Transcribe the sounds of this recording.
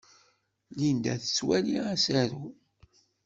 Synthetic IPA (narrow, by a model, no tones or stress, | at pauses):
lind̪æθət͡sːwæliæsæɾu